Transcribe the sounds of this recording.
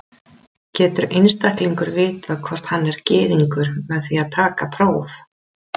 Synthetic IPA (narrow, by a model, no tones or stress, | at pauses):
cɛːt̪ʏɾejnst̪ahkliŋkʏɾvɪːt̪akʰvɔr̥t̪hanːɛɾcɪːðiŋkʏɾ̥mɛðθviaðt̪ʰaːkapʰɾoːwf